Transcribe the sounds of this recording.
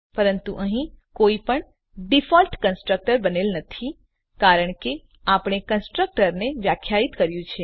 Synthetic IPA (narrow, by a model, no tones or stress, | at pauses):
pəɾənt̪uʔəɦĩkoipəɳ | ɖifɔlʈkənsʈɾək̚ʈəɾbənelnət̪ʰi | kaɾəɳke | apɽ̃ekənsʈɾək̚ʈəɾneʋjakʰjait̪kəɾjũt͡ʃʰe